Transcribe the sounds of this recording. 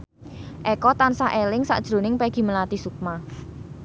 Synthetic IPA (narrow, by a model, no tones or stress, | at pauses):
ʔɛkɔt̪ansaʔelɪŋsa̰ʔd̥ʒ̥ɾo̤nɪŋpɛɡ̥i̤məlat̪isuk̚ma